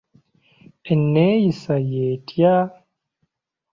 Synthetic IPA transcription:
enːejisajeːtja

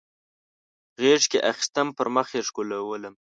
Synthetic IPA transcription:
ɣeʂkeʔaxi̥st̪əmpəɾməxeʂkolawələm

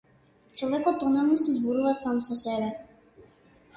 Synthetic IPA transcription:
t͡ʃɔvɛkɔt̪ɔnamnɔsɛzbɔɾuvasamsɔsɛbɛ

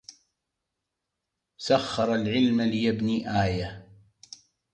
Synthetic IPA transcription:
saxːɑɾˤɑlʕɪlmalɪjabniːʔaːja

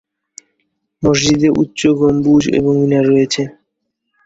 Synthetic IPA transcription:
moʃ̬d͡ʑid̪eɾʔṵtːɕoɡombud͡ʑḛboŋminaɾɔet͡ɕʰe

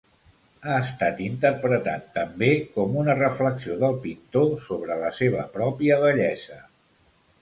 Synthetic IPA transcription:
aəst̪at̪int̪əɾpɾət̪a̰t̪ːəmbekɔmunərəfləksioðəlˠpint̪osoβ̞ɾələseβ̞ə̰pɾɔpiəβəʎɛzə

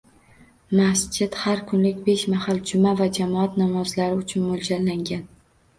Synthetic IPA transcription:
masd͡ʒɪt̪haɾkʰʊnlɪkʲbe̞ʃmahald͡ʒʊmavad͡ʒamɒat̪nɒmɒzlaɾɪʊt͡ʃʰʊnmʊlˠd͡ʒalːaŋɡʲan

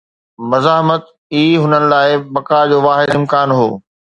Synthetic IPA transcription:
mɐzaːɦmət̪ | iːɦʊnənɪ̆laːɪbɐkad͡ʑoːʋaːɦɪd̪ɪmkaːnɦo̰ː

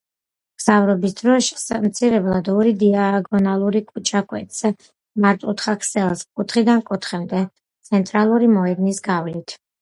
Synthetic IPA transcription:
ɡ̥z̥avɾɔbisd̪ɾɔʃsmt̪sʰiɾɛblˠad̪ɔɾid̪iaaɡɔnalˠuɾikʼut͡ʃʰʼakʼwɛ̰t̪sɛ | maɾt̪ʼut̪χakʰsɛlˠskʼut̪ʰχid̪ankʼut̪ʰχɛmd̪ɛ | t̪sʰɛnt̪ʼɾalˠuɾimɔɛd̪nisɡavlit̪ʰ

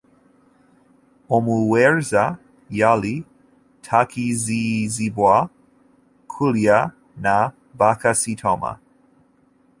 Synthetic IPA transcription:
omuwɛɹza | jali | tʰakizizibwa | kʰulja | na | bakasitʰoma̰

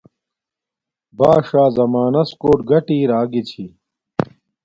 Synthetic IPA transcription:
baːʂaːzɐmaːnɐskoːʈɡɐʈiːɾaːɡit͡ɕʰi

